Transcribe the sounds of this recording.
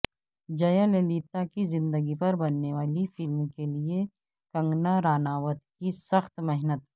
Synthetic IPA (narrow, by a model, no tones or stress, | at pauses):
d͡ʒɐjaleliːt̪akizɪ̃nd̪əɡipɐɾbɐnːeʋaːlifɪlmkelie | kɐ̃ŋɡnaɾaːnaːʋət̪̚kisɐxt̪mɛɦnət̪